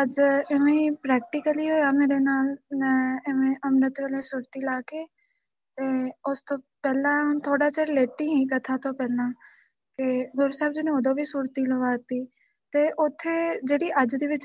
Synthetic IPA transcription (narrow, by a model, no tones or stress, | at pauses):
əd͡ʒɪʋẽːpɾɛːkʈɪkəliːɦoːaːmeːɾeːnaːlɛ̃ːɪʋẽːʔəmɾət̪ʋeːleːsuːɾt̪iːlaːkeː | t̪eːʊst̪õːpɛːlãːt̪ʰoːɽaːt͡ʃəɾleːʈːiːɦĩːkət̪ʰaːt̪oːpɛːlãː | kɪɡʊɾusɛːbd͡ʒɪnẽːoːd̪õːʋiːsuːɾt̪iːləʋaːt̪iː | t̪eːʔʊt̪ʰːeːd͡ʒeːɽiːʔəd͡ʒd̪iːʋɪt͡ʃ